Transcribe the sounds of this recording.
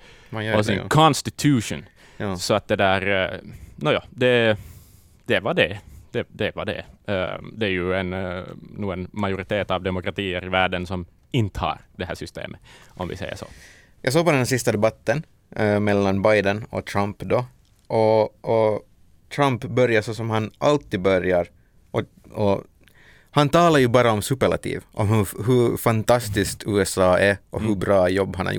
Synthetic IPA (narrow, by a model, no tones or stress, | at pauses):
ɔsɪnkʰɔnst̪ɪt̪ʰʉːʂʊn | sɔɑt̪̚d̪ɛd̪æːɾ | nojɑːd̪ɛ | d̪̥ɛʋɑɖɛd̪̥ɛd̪ɛʋɑɖɛ̰ | d̪ɛæɾjʉɛnnuːənmɑjʊɾɪt̪ʰeːt̪ɑʋd̪ɛmʊkɾɑt̪ʰiːəɾɪʋæɖənsɔm | ɪnt̪əɑ̰ːɾd̪ɛɦæːʂʏst̪ḛːmʔəʔɔmʋɪ̰sɛɪə̰ʂɔ̰ | jɑ̰ːɡs̬oːɡpɔd̪ɛnhæsɪst̪ad̪ɛbat̪ːən | mɛlːanbajd̪ənɔ̰t̪ʰɾampd̪ɔ | ʔɔʔɔ | t̪ʰɾampbœɾjaʂɔsɔmhanʔalt̪ːiːd̪̚bœɾjaɾ | ʔɔ | ɔ | hant̪ʰɑːlaɾjʉbɑːɾaɔmsʉpːəɭa̰t̪ʰḭːvʔɔmhɵɦɵfant̪ɑst̪ɪskt̪ʰʉːɛsɑːæʔɔɦɵbɾɑːjɔbːhanha̰j